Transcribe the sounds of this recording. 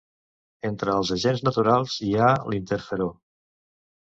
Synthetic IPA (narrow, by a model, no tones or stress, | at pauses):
ent̪ɾəːlˠzəʒenznət̪uɾalˠzialint̪əɾfəɾo